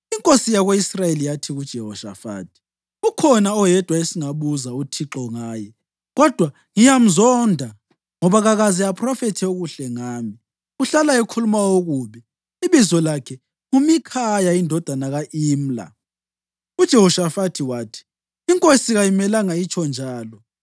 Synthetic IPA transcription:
iŋkʼosijaɣweisrajelijatʰiɣud̥ʒ̥ʱɛɦɔʃa̰fa̰ːtʰi̥ | ukʰɔnaɔjɛd̥ʱwaesiŋaβuzautʰiǁɔŋaːjɛ | ɣɔd̥ʱwa | ŋijam̩zɔndʱa | ŋɔβaɣaɣaziapʰʼrɔfɛtʰɛuɣuɬɛŋaːmi | uɬalaekʰulumaoɣuβɛ | iβizɔlakʰɛ | umikʰajaindʱɔd̥ʱanaɣaʔiːm̩la̰ | ud̥ʒ̥ʱɛhɔʃafatʰiwaːtʰi̥ | iŋkʼosiɣajimɛlaŋajit͡ʃʰʼɔnd͡ʒʱaːlɔ

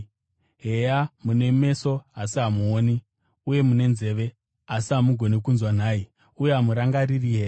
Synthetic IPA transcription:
ɦejamune̞me̞so̞asiɦamuoni | uje̞mune̞nze̞ʋe̞ | asiɦamuɡʱo̞nekunzwan̤aːi | ujeɦamuɾaŋɡaririɦeːja

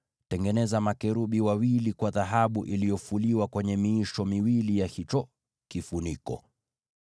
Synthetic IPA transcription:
tɛŋɡɛnɛzamakɛɾuɓiwawilikwaðaɦaɓuʔilijɔfuliwakwɛɲɛmiːʃɔmiwilijahit͡ʃɔ | kifunikɔ̰

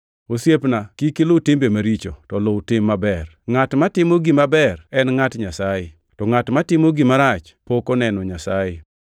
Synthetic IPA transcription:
osjepnakikɪlotɪmbemaɾit͡ʃotɔloʊtɪmːabɛr | ŋatmatɪmoɡimabɛrɛnŋatɲasajɪ | tɔŋatmatɪmoɡimaɾat͡ʃ | pokɔnɛnɔɲasajɪ

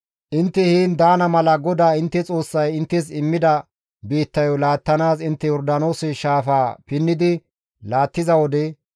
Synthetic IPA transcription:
ʔɪnt̪ːɛhiːnd̪aːnɐmɐlɐɡɔd̪aːɪnt̪ːɛt͡sʼo̞ːsːɐjɪnt̪ːɛs̬ɪmːɪd̪ɐ | biːt̪ːɐjɔlaːt̪ːɐnaːsɪnt̪ːɛjɔɾd̪ɐno̞ːsɪʃaːfaːpɪnːɪd̪ɪ | laːt̪ːɪzɐwɔd̪ɛ

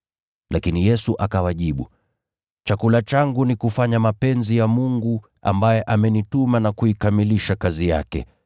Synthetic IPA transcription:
lʔakinijɛsuʔakawaʄiɓu | t͡ʃakulat͡ʃaŋɡunikufaɲamapɛnzijamuŋɡu | a̰mbajɛʔamɛnitumanakuikamiliʃakazija̰kɛ̰

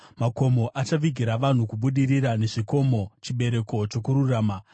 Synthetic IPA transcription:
mako̞mo̞ʔat͡ʃaʋiɡʱiɾaʋan̤ukuɓuɗiriɾane̞ʐiko̞mo̞t͡ʃiɓe̞ɾe̞ko̞t͡ʃo̞kuɾuraːma

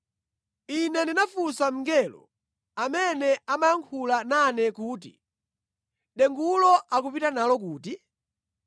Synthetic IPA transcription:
inɛndinafusam̩ŋɡɛlɔ̰ | amɛnɛamajaŋkʰulananɛkuːtḭ | ɗɛŋɡulɔakupitanalɔkuːti

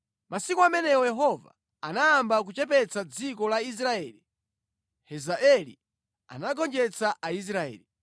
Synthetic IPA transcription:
masikuamɛnɛwɔjɛɦɔva̰ | anaːmbak̬ut͡ʃɛp̬ɛt͡sad͡zikɔlais̬ɾaɛːli | hɛzaʔɛlḭ | a̰naɡɔnd͡ʒɛt͡saʔais̬ɾaɛ̰ːli

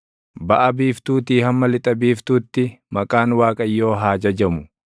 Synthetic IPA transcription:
bɐʔɐbiːft̪uːt̪iːhɐmːɐlɪt̪ʼɐbiːft̪uːt̪ːɪmɐkʼaːnwaːkʼɐjːo̞ːɦaːd͡ʒɐd͡ʒɐmʊ

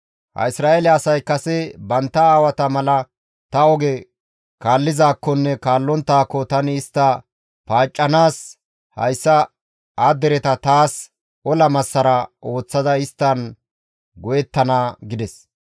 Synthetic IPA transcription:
hɐ̰ɪsɾaːʔelɛɐsɐjkːɐsɛbɐnt̪ːɐaːwɐt̪ɐmɐlɐ | t̪ɐɔɡɛ | kaːlːɪzaːkːɔnːɛkaːlːɔnt̪ːaːkːɔt̪ɐnɪɪst̪ːɐ | paːt͡ʃʼːɐnaːs | hɐ̰jsːɐ | aːd̪ɛɾɛt̪ɐt̪aːs | ɔlɐmɐsːɐɾɐʔo̞ːt͡sːɐd̪ɐɪst̪ːɐn | ɡɔjɛt̪ːɐnaːɡɪd̪ɛs

